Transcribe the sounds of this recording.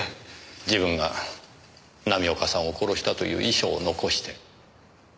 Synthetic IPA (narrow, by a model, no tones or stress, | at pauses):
d͡ʑibɯ̟̃ŋɡa | namʲio̞kasãɰ̃oko̞ɾo̞ɕi̥t̪at̪o̞̰jɯ̟̰ːʔiɕo̞ːno̞ko̞ɕi̥t̪e̞